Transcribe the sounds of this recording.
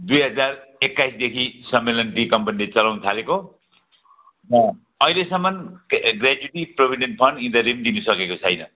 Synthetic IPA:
d̪ujɦʌd͡zarekːajsd̪ekʰisʌmːelʌnʈikʌmpʌnilet͡sʌlawnt̪ʰaleko | ɦʌ̃ | ʌjlesʌmːʌnɡrad͡zuiʈiprʌbʱiɖenʈpʰʌnɖind̪ʌɾimd̪inusʌkekot͡sʰʌjnʌ

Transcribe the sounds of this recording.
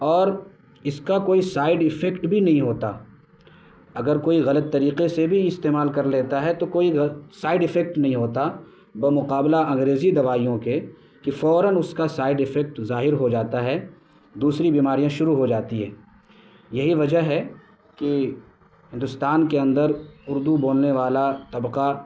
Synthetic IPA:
ɔːɾ | ɪskakoːisaːɪɖɪfɛkʈbʱinɐɦĩɦoːt̪a̰ː | ɐɡəɾkoːiɣɐlət̪ːɐɾiːqesebʱiɪst̪eːmaːlkɐɾleːt̪aɦɛt̪okoːisaːɪɖɪfɛk̚ʈnɐɦĩɦoːt̪a | bɐmʊqaːblaɐ̃ŋɡɾeːzid̪ɐʋaːijõke | kifɔːɾənʊskasaːɪɖɪfɛk̚ʈzaːɦɪɾɦod͡ʒaːt̪aɦɛ | d̪uːsɾibiːmaːɾijãʃʊɾuɦod͡ʒaːt̪iɦɛː | jɐɦiʋɐd͡ʒəɦɦɛ | ki | ɦɪ̃nd̪ʊst̪aːnkeɐ̃nd̪əɾʊɾd̪uboːlneʋaːlat̪ɐbqa

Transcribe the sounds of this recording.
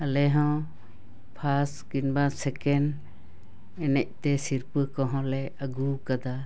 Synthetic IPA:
alɛɦɔ̃ | pʰaskinbasɛkɛn | ɛnɛc̚ˀt̪ɛsiɾpɨkɔɦɔ̃lɛ | əɡukad̪a

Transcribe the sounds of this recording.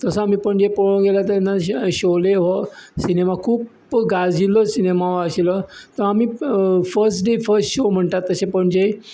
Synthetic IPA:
t̪əsəam̤iːpəɳd͡ʑepoɭõɡelat̪anːaɕoleɦosinemakʰuːp | ɡad͡ziləsinemaʋəɕilət̪əɾamiːfəɾsʈɖefəɾsʈɕom̤əɳʈ̪at̪ːəsepəɳd͡ʑe

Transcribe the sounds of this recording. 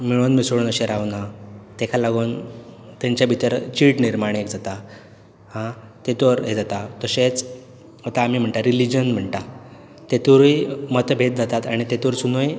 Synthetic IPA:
miɭunmisoɽuːnəɕeɾaʋnat̪ekʰalaɡuːnt̪ɛ̃ɲt͡ɕjabʱit̪əɾt͡ɕiʈniɾmaɽ̃ekd͡zat̪a | hãt̪et̪oɾɦed͡zat̪at̪əɕet͡s | ɦət̪aːmiːm̤əɳʈaɾilid͡ʑənm̤əɳʈa | t̪et̪uɾujmət̪bʱet̪̚d͡zat̪at̪aɽ̃it̪et̪uɾsunoj

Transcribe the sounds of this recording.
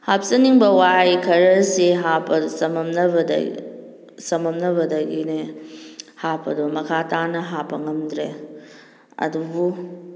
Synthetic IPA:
hap̚sɐniŋbɐwajkʰɐɾɐseɦapɐsɐmɐmnɐbɐd̰ | sɐmɐmnɐbɐdɐɡine | hapʰːɐdɔmɐkʰatʰanɐɦapːɐŋɐmdɾe | ɐ̰dubu

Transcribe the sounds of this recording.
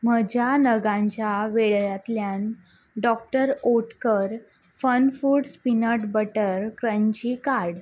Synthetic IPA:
məd͡ʑʱanəɡãɲt͡ɕjaʋeɭɭjat̪ljan | ɖɔk̚ʈəɾoʈkəɾ | fənfuːɽspinəʈbəʈəɾkɾə̃ɲt͡ɕikaɾɽ

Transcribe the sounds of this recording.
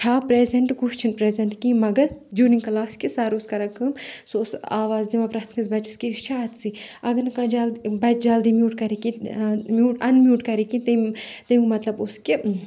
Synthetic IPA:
t͡ʃʰaːpɾeːzeɳʈkuʃt͡ʃʰinpɾeːzeɳʈkĩmɐɡɐɾd͡ʒuɾniŋkɐlaːskisaːɾuskɐɾɐkʰɐmsosaːʋaːzd̪imãpɾɐt̪ʰkʰɐzbɐt͡ʃiskiʃʰaːt̪siɐɡɐnkɐ̃d͡ʒaːlbɐt͡ʃd͡ʒaːld̪imjuːʈkɐɾikĩmʲjuːʈɐnmʲjuːʈkɐɾikĩt̪ɐmt̪ɐmkmɐt̪lɐbʊske

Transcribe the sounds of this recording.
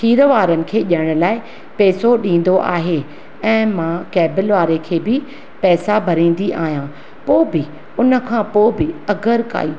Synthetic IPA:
tʰiːɾʋaːɾənɪ̆kʰeːʄəɪɽ̃ʊ̆laːɪ | pɛːsoɗĩːn̆d̪oʔa̰ːɦe | ɛ̃ːmãːkɛːbɪlʋaːɾekʰeːbɪ | pɛːsabʱɐɾĩːn̆d̪iʔa̰ːɦijãː | poːbɪ | ʊnə̆kʰãːpoːbɪɐɡəɾka̰ːiː

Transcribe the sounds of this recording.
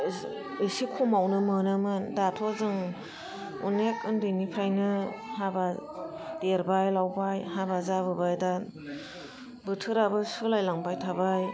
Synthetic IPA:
isikʰumawnɯmɯnɯmɯndatʰɔzɯŋ | ṵnekɯndɯnipʰɾajnɯhabadeɾbajlawbajhabazaβɯbajda | bɯtʰɯɾabɯsɯlajlaŋbajtʰabaj

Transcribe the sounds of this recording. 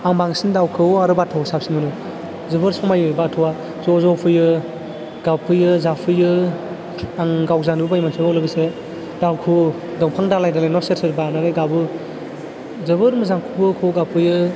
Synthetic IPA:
aŋbaŋsindawkʰɯwaɾɯbatʰɔsap̚sinɯnɯ | zɯbɯɾsɔmajɔjbatʰɯwa | zɔzɔpʰɯjɯ | ɡ̥apʰɯjɯzapʰɯjɯ | aŋɡawzanbajmansʰɯɡawlɯɡɯse | dawkʰu | dɔŋpʰaŋdalajdalanɔseɾseɾbanaɾajɡabɯ | zɯβɯɾmɯzaŋkʰubɯkʰɔɡapʰɯjɯ

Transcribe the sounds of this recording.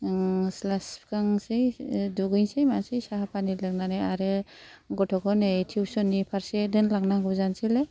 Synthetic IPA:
slaspkaŋsejduɡɯjnsejmasejsaɦapʰanilɯknanajaɾɯɡɔtʰɔɡɔnejtʰiwsɔnːipʰaɾsedɯnlaŋnaɡɔzansile

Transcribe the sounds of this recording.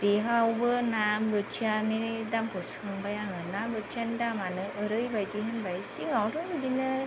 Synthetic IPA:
d̥iɦawbɯnambɯtʰaninidampʰɔskɯŋbajaŋɯnambɯtʰianidamanɯʔəɾɯjbajdiɦɯnbajsiŋawɾuŋdinɯ

